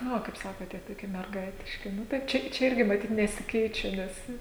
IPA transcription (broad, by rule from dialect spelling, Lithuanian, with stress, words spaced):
nʊ ˈʋɐ kɐɪp ˈsɑːkoːt ˈtʲiɛ toːˈkʲiɛ mʲɛrˈɡɐɪtʲɪʃʲkʲɪ ˈnʊ tɐɪ ˈt͡ʃʲɛ ˈt͡ʃʲɛ ˈɪrʲɡʲɪ mɐˈtʲiːt nʲɛsʲɪˈkʲɛɪt͡ʃʲɛ ˈnʲɛs